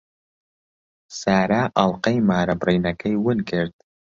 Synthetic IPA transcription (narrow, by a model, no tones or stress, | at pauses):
saːɾaːʔɐlˠqɐjmaːɾɐbriːnɐkʰɐjwɨnkʰɨɾd̪̚